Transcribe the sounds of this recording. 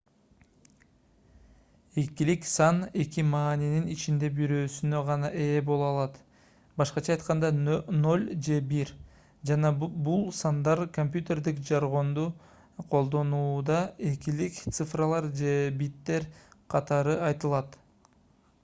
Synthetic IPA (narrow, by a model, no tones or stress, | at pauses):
ekiliksɑne̞kimɑːnininit͡ʃind̪e̞biɾø̞ːsynø̞ʁɑnɑʔe̞ːbo̞lˠuɑlˠɑt̪ | bɑʃqɑt͡ʃʰɑːjt̪qɑnd̪ɑno̞lʲd͡ʒe̞biɾ | d͡ʒɑnɑbulˠsɑnd̪ɑɾkomʲpʲjut̪ʲe̞rd̪ikd͡ʒɑɾʁo̞nd̪u | qʰo̞lˠd̪o̞nuːd̪ɑekilikt̪sɨfrɑlˠɑɾd͡ʒe̞bit̪ːe̞ɾqʰɑt̪ɑɾɯɑjt̪ɯlˠɑt̪